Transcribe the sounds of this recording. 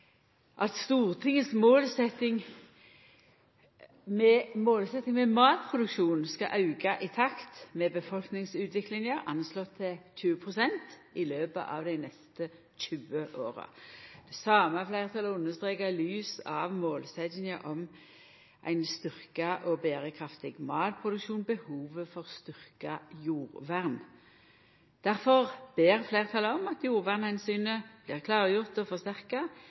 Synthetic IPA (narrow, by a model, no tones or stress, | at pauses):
ʔɑt̪st̪uːʁt̪ʰɪŋːəsmoːlsɛt̪ɪŋ | mɛmoːlsɛt̪nɪŋmɛmɑːt̪̚pʰʁʊd̪ʉkʃuːnskɑʔɑʉɡɑʔɪt̪ʰɑkt̪mɛbəfɔlknɪŋsʉːt̪ʋɪklɪŋəʔɑnslɔt̪ʰːɪçʉːəpʰʁʊsɛnt̪ɪløːbə̰ʔɑʋd̪æɪnɛst̪ə | c͡çʉːəʔoːʁə̰d̪̥ɛsɑːməəflæɪʁt̪ʰɑləʊnːəst̪ʁeːkɑlyːsɑ̰ʋmoːlsɛd̪nɪŋəʔɔm | ʔæ̰ɪnst̪ʏʁkɑʔɔbeːʁəkʰʁɑft̪ɪɡmɑːt̪̚pʰʁʊd̪ʉkʃuːnbəhuːʋəfɔʁst̪ʏʁkɑjuːʁʋæʁn | d̪̥æʁfɔʁb̥eːʁflæɪʁt̪ʰɑləɔmɑt̪juːʁʋæʁnhɛnsyːnəb̥lɪːʁkʰlɑːʁəjʊʁt̪ɔfɔʁst̪æʁkɑ